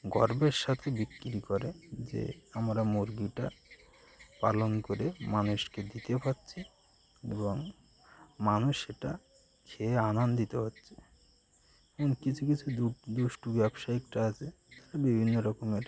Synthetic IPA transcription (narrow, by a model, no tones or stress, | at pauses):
ɡɔɾbeɾʃat̪ʰebit̪kiɾikɔɾed͡ʑḛamɾamoɾɡiʈa̰ | pa̰lonkoɾemanuʃked̪it̪epatːɕʰi | ḛboŋ | manuʃeʈa | kʰeanand̪it̪eɦotːɕʰe̥ | ɛmonkit͡ɕʰukit͡ɕʰuud̪uʃʈubɛbʃaekʈaat͡ɕʰet̪aabibʱinːoɾɔkomeɾ